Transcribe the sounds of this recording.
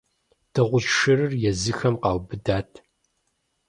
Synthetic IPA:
d̥ɐʁʷʊʒʃɨrɨrjɛzɨxɐmqɑːwbɨdaːtʰ

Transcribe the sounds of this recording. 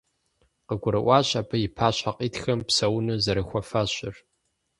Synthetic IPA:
qəɡʷʊɾɨʔʷɑːɕʼapʰɐjɪpʰaːɕʷaqʼiːtxɐmpsɐwnɨzɐɾɨxʷɐfaɕɪr

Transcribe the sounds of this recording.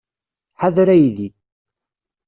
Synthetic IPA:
ħaðɾæjði

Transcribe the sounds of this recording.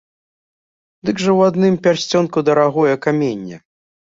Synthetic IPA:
d̪ɨɡʐɐwad̪nɨmpʲarsʲt͡sʲɔnkud̪ɐɾaɣɔjɛkamʲenʲːɛ

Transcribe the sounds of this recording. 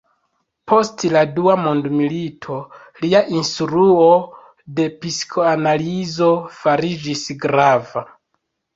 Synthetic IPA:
pʰo̞stladuamondmilitʰo̞ | liaʔinstɾuo | de̞piskʰoanalizo̞faɾid͡ʒisɡɾava

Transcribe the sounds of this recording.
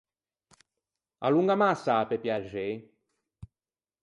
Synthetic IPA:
a̰luŋɡamasːapepjaʒe

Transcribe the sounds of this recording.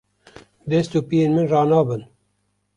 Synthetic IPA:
d̪ɛst̪uːpijeːnmɨnrɑːnɑːbɨn

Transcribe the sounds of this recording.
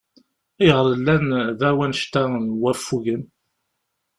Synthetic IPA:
ijʁəɾəlːænðæwænʃt̪ænwæfuʝən

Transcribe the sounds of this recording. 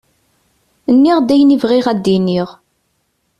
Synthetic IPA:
ənːiʁd̪æjənivʁɪʁæd̪ːiniʁ

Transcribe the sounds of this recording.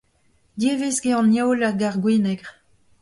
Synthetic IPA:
d̪jeːvesɡeɑ̃njowlaɡaʁɡwiːnɛɡʁ

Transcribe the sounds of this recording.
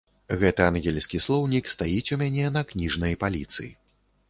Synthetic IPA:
ɣɛt̪ɨanɣʲɛlʲsʲkʲislˠɔwnʲikst̪ajit͡sʲumʲanʲɛnɐknʲiʐnɐjpalʲit̪sɨ̰jḭ

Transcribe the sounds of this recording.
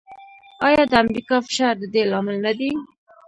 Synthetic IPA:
ɑjɑd̪əamɾikɑfɪ̥ʃɑɾd̪əd̪elɑmɪlnad̪i

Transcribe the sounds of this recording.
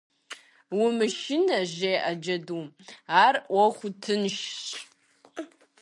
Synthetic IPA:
wʊmɨʃɪnɐʑejʔɐd͡ʒɐdumaːrwɐχʷʊtʰɨnʃɕʼ

